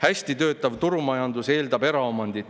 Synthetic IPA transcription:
hæsʲt̪it̪ø̞ːt̪ːˑɑvt̪uɾumɑjɑnd̪use̞ːld̪ɑbe̞ɾɑo̞mɑnd̪it̪

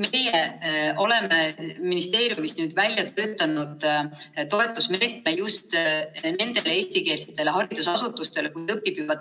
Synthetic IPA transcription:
me̞jeʔo̞le̞meminist̪e̞ːɾjumisnyːd̪̥vælʲjɑt̪ø̞ːt̪ːˑɑnud̪̥t̪o̞e̞t̪ːˑusme̞ːt̪̚mejust̪ne̞nd̪e̞leeːst̪ike̞ːlset̪ːˑe̞leɦɑɾid̪̥usɑsut̪ːˑust̪e̞lekujt̪ɤpːˑipivɑ

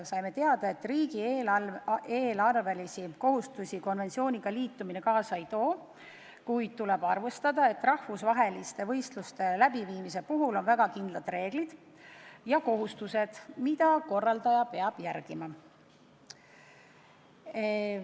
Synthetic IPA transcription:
sɑjme̞t̪e̞ɑd̪̥ɑe̞t̪ːˑriːɡ̥i | eːlɑrvelisiko̞ɦust̪usiko̞nve̞nt̪sio̞ːnʲiɡ̥ɑliːt̪ːumine̞kɑːsɑejt̪o̞ː | kujd̪̥̚t̪ule̞b̥ɑrvest̪ɑd̪ɑe̞t̪ːˑrɑhfusvɑɦe̞list̪e̞vɤ̞jst̪lust̪e̞læb̥iviːmise̞puɦulo̞nvæɡ̥ɑkind̪lɑd̪̥re̞ːɡ̥lid̪̥ | jɑko̞ɦust̪use̞d̪̥mid̪̥ɑko̞rːɑld̪ɑjɑpeɑb̥jæɾɡ̥imɑ

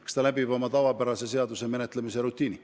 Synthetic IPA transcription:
kst̪ɑlæbibo̞mɑt̪ɑvɑpæɾɑse̞se̞ɑd̪use̞me̞ne̞t̪ːˑlemise̞ɾut̪ːˑiːni

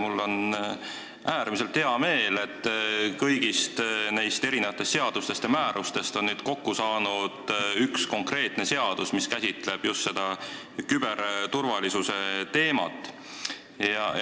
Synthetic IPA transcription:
mulːo̞n | ʔæːɾmis̬e̞lt̪he̞ɑme̞ːle̞t̪ːkɤjɡ̥ist̪nejst̪e̞ɾinevɑt̪ːˑest̪se̞ɑd̪̥ust̪e̞st̪jɑmæːɾust̪e̞st̪o̞nːyːd̪̥ko̞kːusɑːnud̪̥yksko̞ŋkre̞ːt̪ne̞se̞ɑd̪̥usmiskæsʲit̪ˑle̞b̥just̪se̞d̪̥ɑ | kyb̥eɾt̪urvɑlisuse̞t̪e̞ːmɑ̰t̪ːˑ | jɑ

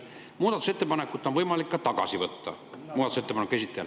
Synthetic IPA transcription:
muːd̪ɑt̪use̞t̪ːepɑnekːˑut̪ːˑonvɤjmɑlikːɑt̪ɑɡɑ̰sivɤt̪ːɑ̰muːd̪ɑt̪uset̪ːepɑnekːˑesit̪ːˑejɑ

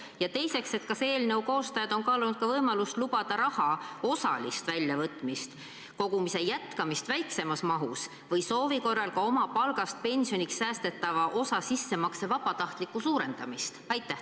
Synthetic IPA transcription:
jɑt̪e̞jse̞kse̞t̪kɑse̞ːlne̞wko̞ːst̪ɑjɑd̪̥o̞nkɑːlunud̥̪̚kɑvɤjmɑlust̪lubɑd̪̥ɑɾɑhɑo̞sɑ̰list̪vælʲjɑvɤt̪ːˑmist̪ | ko̞ɡ̥umise̞jæt̪kɑmist̪væjkse̞mɑsmɑɦus | vɤjso̞ːviko̞rːɑlkɑo̞mɑpɑlɡ̥ɑst̪̚pe̞nsio̞niksːæːst̪e̞t̪ːɑvɑʔo̞sɑsisːe̞mɑksɑvɑbɑt̪ɑht̪likːˑusuːɾe̞nd̪̥ɑmist̪ɑjt̪ːˑæh

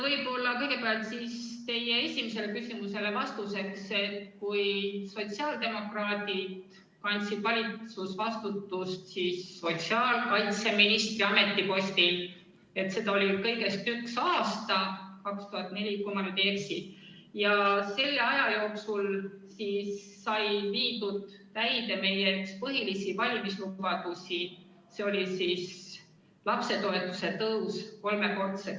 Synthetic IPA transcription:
vɤjbo̞lːɑkɤ̞jɡe̞peɑlt̪siːst̪e̞je̞e̞sʲimise̞lekysʲimuse̞le̞vɑst̪use̞kse̞t̪kujso̞t̪siɑːld̪e̞mo̞krɑːt̪id̪ | kɑnʲt̪sid̪̥vɑlʲit̪susvɑst̪ut̪ːˑust̪sisːo̞t̪siɑːlkɑjt̪se̞minist̪riɑme̞t̪ːˑipo̞sʲt̪il | e̞t̪se̞d̪ɑolikɤ̞jɡe̞st̪yksɑːst̪ɑkɑkst̪uhɑt̪ːˑne̞lʲikomɑnyd̪eksi | jɑse̞lːeɑjɑjo̞ːksulsisː | ɑjviːd̪ud̪̥ːæjd̪̥e̞me̞jeykspɤɦilisivɑlʲmislubɑd̪usʲi | se̞o̞lʲisis | lɑpse̞t̪o̞e̞t̪ːˑu̥se̞t̪ɤuwsko̞lme̞ko̞rt̪se

